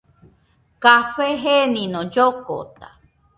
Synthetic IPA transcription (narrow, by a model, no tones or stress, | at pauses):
kafeɦenĩnõd͡ʒoko̰t̪a